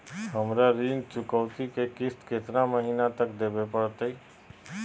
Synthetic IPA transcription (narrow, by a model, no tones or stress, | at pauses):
ɦəmɾaɾiːnt͡ʃʊkəʊt̪ikekɪst̪ket̪naməɦiːnat̪əkd̪eːbepəɽt̪əi